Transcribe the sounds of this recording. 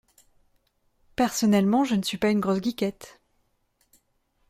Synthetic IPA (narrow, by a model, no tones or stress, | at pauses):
pɛʁsɔnɛlmɑ̃ʒənəsɥipaynɡʁosɡʲikʲɛt̪